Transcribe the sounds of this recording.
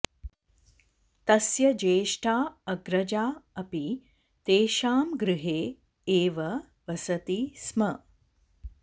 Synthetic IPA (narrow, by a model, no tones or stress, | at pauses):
t̪ɐsjɐd͡ʒeːʂʈʰaːɐɡɾɐd͡ʒaːɐpi | t̪eːʃaːmɡɾɨɦeː | eːʋɐ | ʋɐsɐt̪ismɐ